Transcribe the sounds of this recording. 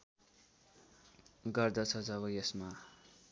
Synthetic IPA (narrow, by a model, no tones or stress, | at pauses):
ɡʌrd̪ʌt͡sʰʌd͡zʌbʌjesma